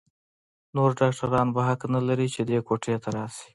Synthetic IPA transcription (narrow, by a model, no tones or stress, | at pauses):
noɾɖɑkʈaɾɑnbaɦaknalaɾit͡ʃed̪ekoʈʰet̪aɾɑsi̥